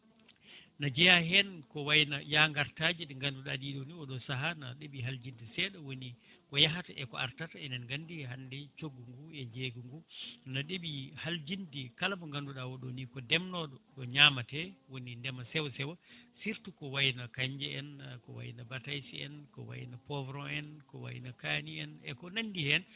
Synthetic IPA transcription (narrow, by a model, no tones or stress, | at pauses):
nad͡ʒɛjahɛnkɔwajnajaŋɡaɾtad͡ʒiɗŋɡanduɗadiɗoniɔɗɔsaɦanaɗeɓiɦald͡ʒindisɛɗɔwoni | kɔjaɦataʔɛkɔ̰a̰ɾtataɛndɛnŋɡandiɦandɛt͡ʃoɡːuŋɡuɛd͡ʒeɡuŋɡunaɗeɓihald͡ʒindikalamɔŋɡanduɗawɔɗonikɔdɛmnɔɗɔɗɔɲamatɛwonindɛmasɛwsɛwɔsiɾtukɔwajnakaɲd͡ʒɛɛnkɔ̰wa̰jinabatajsiɛ̰nkɔ̰wa̰j̰napɔvɾɔɛnkɔwa̰jnakaniɛnɛkɔnandihɛn